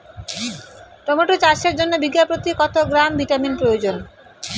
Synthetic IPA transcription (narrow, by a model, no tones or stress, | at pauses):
ʈɔmoʈut͡ɕaʃeɾd͡ʑonːobiɡapɾot̪ikɔt̪oɡɾambʱiʈaminpɾojod͡ʑon